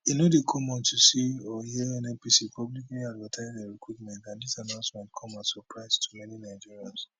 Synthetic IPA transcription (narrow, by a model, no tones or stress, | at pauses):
inodekʰɔmɔ̃ntusiɔhiɛ̃nɛpisipʰɔblikliadvatʰaɪzdeɹikʰwutmɛ̃ntãndisanãʊ̃nsmɛ̃ntkʰɔ̃masɔpɹaɪstʰu̥mɛninaɪd͡ʒiɹiãns